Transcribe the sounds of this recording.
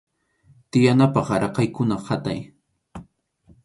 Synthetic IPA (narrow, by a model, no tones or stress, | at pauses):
t̪ɪjanapɑχɾɑqɑjkʊnahat̪a̰j